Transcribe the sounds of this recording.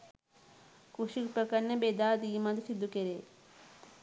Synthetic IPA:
kuʃikpɾəkɐnebed̪aːd̪iːmɐd̪sid̪ukeɾe

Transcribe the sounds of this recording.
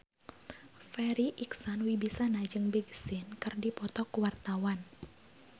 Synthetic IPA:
fɛɾiʔiksɔnwibisanad͡ʒɨŋbiɡsɪnkɨrdipɔt̪ɔkuwart̪awan

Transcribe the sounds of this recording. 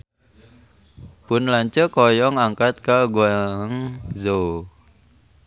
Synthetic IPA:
pʊnlaɲt͡ʃəkɔjɔŋaŋkat̪̚kaɡuaŋzo

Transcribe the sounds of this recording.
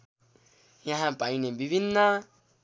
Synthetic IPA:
jãɦãpaĩnẽmbiβinːã

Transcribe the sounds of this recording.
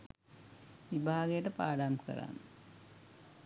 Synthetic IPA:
ʋibʱaːɡəjəʈəpaːɖaːmkə̰ɾa̰n

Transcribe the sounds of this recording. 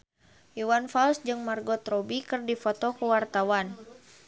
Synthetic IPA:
juwanfalsd͡ʒɨŋmarɡɔt̪ɾɔbikɨrdifɔt̪ɔkəwart̪awan

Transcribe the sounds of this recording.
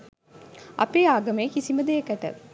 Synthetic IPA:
ʔɐ̰peːaːɡɐmeːkisimɐd̪eekɐʈə̰

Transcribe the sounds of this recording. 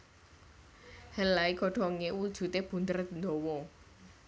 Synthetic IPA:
həlaiɡɔɖ̥ɔŋewud̥ʒ̥ṳt̪eb̥ṳnd̪ərnd̪ɔwɔ

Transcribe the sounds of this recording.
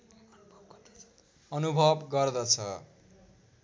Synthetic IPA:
ʌnubʱʌbɡʌrd̪ʌt͡sʰʌ

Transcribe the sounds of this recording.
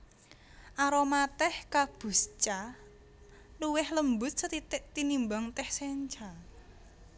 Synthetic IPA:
ʔaɾomat̪ɛhkab̥ṳst͡ʃa | luwɪhləmbʊt̪̚sət̪it̪ɪʔt̪inimbaŋt̪ɛhseɲt͡ʃa

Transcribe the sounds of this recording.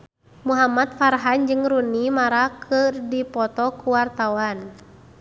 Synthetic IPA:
muɦamat̪̚faɾɦand͡ʒɨŋɾunimaɾakʰɨrdipɔt̪ɔkuwart̪awan

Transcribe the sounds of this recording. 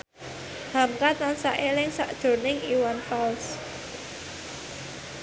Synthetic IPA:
hamkat̪ansaʔelɪŋsaʔd̥ʒ̥o̤nɪŋiwanfals

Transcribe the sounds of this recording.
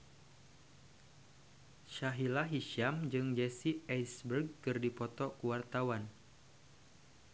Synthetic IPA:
ʃaɦilaɦiʃamd͡ʒɨŋd͡ʒɛsiajsbərɡ̚kɨrdipɔt̪ɔkuwart̪awan

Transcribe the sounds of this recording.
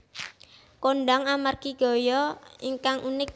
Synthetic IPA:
koɳɖaŋamarkiɡ̥o̤jɔiŋkaŋunɪk̚

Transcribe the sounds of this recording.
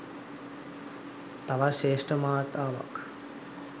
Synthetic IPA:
t̪aʋaʃeːʂʈəmaːt̪aːʋa̰k

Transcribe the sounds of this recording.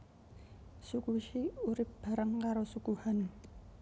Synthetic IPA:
sukuʃiuɾɪp̚b̥a̤ɾəŋkaɾosukuhan

